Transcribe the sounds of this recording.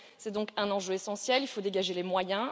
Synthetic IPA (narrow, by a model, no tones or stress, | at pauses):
sɛd̪ɔ̃kɛ̃nɑ̃ʒøesɑ̃sjɛlilfod̪eɡaʒelemwajɛ̃